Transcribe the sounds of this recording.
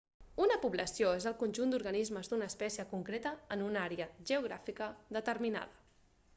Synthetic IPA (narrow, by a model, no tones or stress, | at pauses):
unəpuβləsioezəlˠkunʒund̪uɾɣənizməzd̪unəːspɛsiəkuŋkɾet̪əːnunaɾeəʒəuɣɾa̰fikəðət̪əɾmina̰ðə